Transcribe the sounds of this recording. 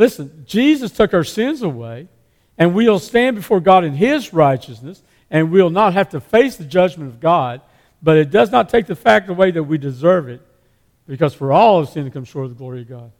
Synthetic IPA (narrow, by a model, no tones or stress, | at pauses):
lɪsɨ̃nd͡ʒizɨstʰʊkaʊə˞sɪ̃nzəweɪ | ɨ̃nwil̩ˠstæ̃nbɨfɔɹɡɑɾɨ̃nɪzɹaɪt͡ʃɨsnɨs | ɨ̃nwilˠnət̚ɦæftɨfeɪsðɨd͡ʒʌd͡ʒmɨ̃ñʌvɡɑd̚ | b̥ʌɾɨt̚d̥ʌznətʰeɪk̚ðɨfæk̚təweɪðɨt̚widɨzɜ˞vɪt̚ | b̥ɨkʌz̥fə˞ɔlˠʌv̥sɪ̃nkʰʌ̃mʃɔɹɾʌvðəɡlɔɹiʌvɡɑd̥̚